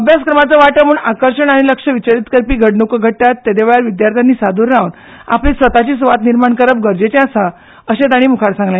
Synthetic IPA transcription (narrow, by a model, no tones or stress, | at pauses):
əbʱjaskɾəmat͡səʋaʈəmuːɳakəɾʂəɳaɽ̃iləkʂəʋit͡ɕaɾit̪kəɾpiːɡʱəɽnokəɡʱəʈːat̪ːed̪eʋeɭaɾʋid̪jaɾt̪ʰjanːiːsad̪ʱuːɾːaun | a̰plisʋət̪at͡ɕiːsʋat̪niɾmaɳkəɾəp̚ɡəɾd͡ʑet͡ɕẽasa | əɕed̪aɽ̃iːmukʰaɽsãŋɡlã